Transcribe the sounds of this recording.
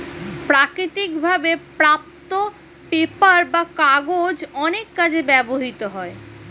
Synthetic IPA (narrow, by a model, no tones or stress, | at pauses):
pɾakɾit̪ikbʱabepɾap̚t̪o | pepaɾbakaɡod͡ʑɔnekːad͡ʑʰebɛboɦit̪oɦɔe